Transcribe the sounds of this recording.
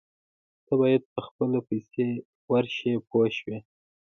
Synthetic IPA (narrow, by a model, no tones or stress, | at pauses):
t̪abɑjad̪̚pəxpəlopajse | waɾʃepoʃwi